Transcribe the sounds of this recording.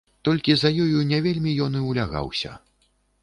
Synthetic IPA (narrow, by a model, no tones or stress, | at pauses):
t̪ɔlʲkʲizɐjɔjunʲɛvʲelʲmʲijɔnɨwlʲaɣa̰wsʲɐ̰